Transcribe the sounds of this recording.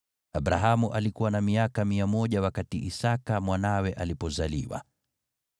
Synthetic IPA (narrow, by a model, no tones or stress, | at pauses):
abɾaɦamuʔalikuwanamiakamiamɔʄawakatiʔisakamwanawɛʔalipɔzalḭwa̰